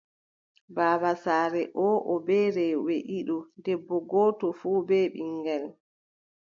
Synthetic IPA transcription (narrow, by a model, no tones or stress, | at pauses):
baːβasaːɾɛʔɔːʔɔbɛːɾɛweʔiɗɔdɛbːɔɡɔːtɔfuːbɛɓiŋɡɛl